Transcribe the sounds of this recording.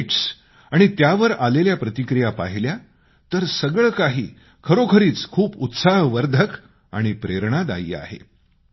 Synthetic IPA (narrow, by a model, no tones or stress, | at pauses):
ʈs | aɽ̃it̪jaʋəɾaleljapɾət̪ikɾijapa̰ɦilja | t̪əɾsəɡɭkaɦḭː | kʰəɾokʰəɾiːt͡skʰuːput̪saɦʋəɾd̪ʱək | a̰ɽ̃ipɾeɾɳad̪a̰jḭːa̰ɦḛ